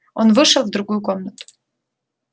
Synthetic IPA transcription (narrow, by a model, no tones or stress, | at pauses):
onvɨʂɐlvd̪ɾuɡujukʰomnat̪ʼu̥